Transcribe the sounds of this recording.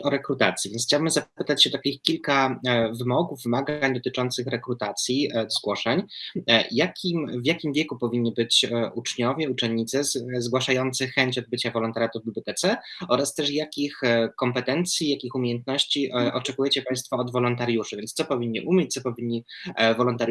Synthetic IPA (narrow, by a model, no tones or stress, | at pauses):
ɔɾɛkɾut̪at̪sʲjivʲɛnxt͡ɕawbɘmzapɘt̪at͡ɕɕɛd̪akʲixkʲilkavɘmɔɡuvːɘmaɡaɲd̪ɔt̪ɘt͡ʂɔnt̪sɘxɾɛkɾut̪at̪sʲjizɡwɔʂɛɲ | jakʲimvʲjakʲimvʲjɛkupɔvʲiɲːibɘt͡ɕʔut͡ʂɲɔvʲjɛut͡ʂɛːit̪sɛzɡwaʂajɔnt̪sɘxɛɲt͡ɕɔd̪̚bɘt͡ɕavɔlɔnt̪aɾʲjat̪uvbʲiblʲjɔt̪ɛt̪sɛɔɾast̪ɛʂjakʲixkɔmpɛt̪ɛnt̪sʲjijakʲixumʲejɛnt̪nɔɕt͡ɕiʔʔɔt͡ʂɛkujɛt͡ɕɛpaj̃st̪fɔːd̪vɔlɔnt̪aɾjuʂɨvʲjɛntst̪ɔpɔvʲiɲːḭʔumʲjet͡ɕ̚t̪sɔpɔvʲiɲːi | vɔlɔnt̪aɾ